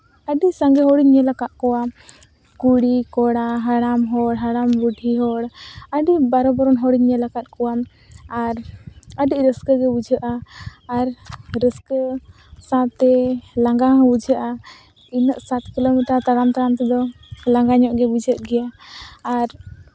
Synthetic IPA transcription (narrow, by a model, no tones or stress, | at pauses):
əɖisaŋɡɛɦɔɽiɲːɛlakat̪̚kɔwam | kuɽikɔɽaɦaɽamɦɔɽɦaɽambuɖʱiɦɔɽəɖibaɾɔbaɾɔnɦɔɽiɲːəlakat̪̚kɔwam | aɾəɖiʔɾəskəɡɛbud͡ʒʱəʔaːɾːəskə | sãt̪ɛlãŋɡaɦbud͡ʒʱəʔa | inəʔsat̪kilomiʈaɾt̪aɽamt̪aɾamt̪ɛd̪ɔ | laŋɡaɲɔʔɡɛbud͡ʒʱəʔ̚ɡɛjaː | ɾ